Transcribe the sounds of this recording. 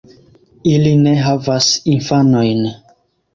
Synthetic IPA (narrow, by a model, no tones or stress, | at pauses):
iline̞ɦavasinfano̞jn